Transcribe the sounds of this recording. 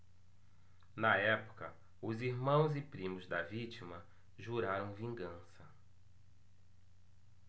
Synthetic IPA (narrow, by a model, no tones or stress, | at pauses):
nɐɛpʊ̥kɐ | ʊziɾmɐ̃w̃zɪpɾĩmʊzd̪ɐvit͡ʃimɐ | ʒuɾaɾɐ̃w̃vĩŋɡɐ̃sɐ